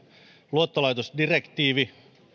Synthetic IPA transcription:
luot̪ːolɑjt̪osdirekt̪iːʋi

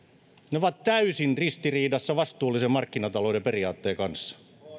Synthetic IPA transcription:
neoʋɑt̪t̪æysinrist̪iriːdɑsːɑʋɑst̪uːlːisemɑrkːinɑt̪ɑloideperiɑːt̪ːeːkɑnsːɑ̥

